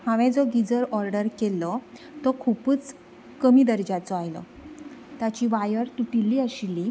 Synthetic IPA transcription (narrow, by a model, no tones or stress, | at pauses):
hãʋɛ̃d͡zɔɡid͡zəɾɔɾɖəɾkelːɔ | t̪ɔkʰupət͡s | kəmiːd̪əɾd͡ʑat͡sɔajlɔ̰ | t̪jat͡ɕiːʋajəɾt̪uʈilːiːəɕilːi